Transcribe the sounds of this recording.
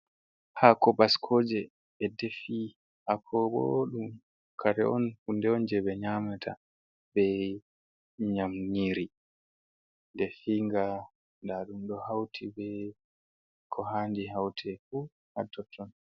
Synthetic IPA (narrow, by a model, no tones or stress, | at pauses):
hakɔbaskʰoːd͡ʒɛː | defi | hakʰɔbo̰ɗum | kʰaɾɛ̰ɔnhundɛɔnd͡ʒɛbɛɲamatʰa̰ | bɛ | ɲamɲiɾi | ndɛfiŋɡa | ndaɗumɗɔhawtʰibɛ | kʰɔɦandiɦawtʰɛfu | hatːɔtʰːɔn